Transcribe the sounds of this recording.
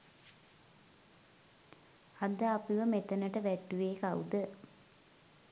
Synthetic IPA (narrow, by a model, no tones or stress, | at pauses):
ad̪əapiʋəmet̪ənəʈəʋæʈːuʋeːkaud̪ə